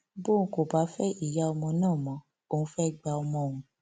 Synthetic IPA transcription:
bõ˦˨˦ko˨ba˨˦fɛ˦i˦˨ja˦ɔ˧mɔ̃˧nãː˦˨mɔ̃˨˦ | o˦˧˨ũ˦fɛ˦ɡ͡ba˧ɔ˧mɔ̃˧˦˨w̃ũ˧˦

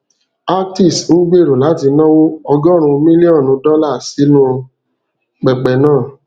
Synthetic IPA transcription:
a˦k̚ti˦˨sn̩˦ɡ͡be˦˨ɾu˨la˨˦ti˧nɔ̃˦wo˦ɔ˧ɡɔ˦ɾ̃ũ˧mĩ˦li˦ɔ̃˦˨nũ˨˧˦dɔ˦la˦˨si˨˦nũ˦ | k͡pɛ˨k͡pɛ˨nãː˦˨

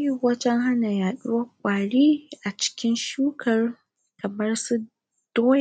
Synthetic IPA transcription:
ji˦˨wɐ˦d͡ʒɛ˦ŋɦa˦na˨jaː˨ɗʊ˦wɐ˦kʷʼaː˨ɽiː˦ʔa˨t͡ʃɪ̥˦kʲɪ˦nʃuː˦kʰɐ˨r | kʰɐ˨mɐ˦rsu˦ | d̥oː˦j

